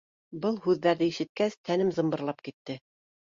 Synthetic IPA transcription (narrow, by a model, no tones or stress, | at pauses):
bɤlˠhʉðːæɾðɘiʃɘ̆t̪̚kæst̪ʰænɘmzɤ̆mbɤ̆ɾlˠɑp̚kit̪ːɘ